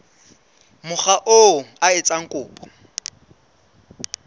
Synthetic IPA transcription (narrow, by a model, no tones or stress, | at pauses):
mʊχaʔoaɪt͡sʼaŋ̩kʼʊːpʼɔ̥